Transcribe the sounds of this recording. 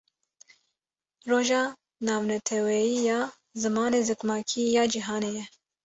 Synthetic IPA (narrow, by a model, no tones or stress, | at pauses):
roːʒɑː | nɑːvnɛt̪ʰɛwɛjiːjɑː | zɨmɑːneːzɨkmɑːkʰiːjɑːd͡ʒiɦɑːneːjɛ